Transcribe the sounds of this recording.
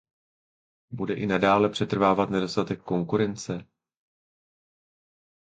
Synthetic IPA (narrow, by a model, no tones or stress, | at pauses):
budɛʔɪnadaːlɛpr̥ɛt̪r̩vaːvat̪nɛdo̞st̪at̪ɛkːo̞ŋkuɾɛnt͡sɛ